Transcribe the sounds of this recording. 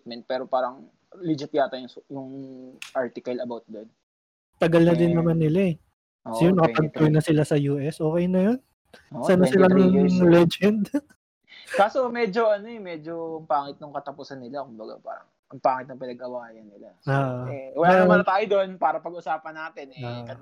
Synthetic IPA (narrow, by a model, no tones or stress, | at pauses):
t̪̚mɛnt̪̚pɛːɾopaːɾɐŋ | lɪd͡ʒɪpjaːt̪ɐjʊŋjʊŋʔaɹt̪ɪkɐlɐbawt̪̚d̪on | t̪ɐɡɐlnɐd̪ɪnːɐmanːɪlaɛ | ʔosɐjonɐkɐpɐɡ̚t̪ojnɐsɪlasɐjuːʔɛsʔo̞ːkɛjnɐjon | osanɐsɪlanʊŋlɛd͡ʒɛnd̪ | kaːsomɛːd͡ʒoʔɐnoɛmɛd͡ʒoŋpaːŋɪt̪̚nʊŋkɐt̪ɐpʊsɐnːɪlakʊmbɐɡa̰pa̰ːɾɐ̰ŋ | ʔɐŋpaːŋɪt̪nɐŋpɪnɐɡ̚ʔɐwaːjɐnːɪlaaːʔɛwɐlamat̪aːjod̪onpaːɾɐpɐɡʔʊsaːpɐnːaːt̪ɪnɛakɐ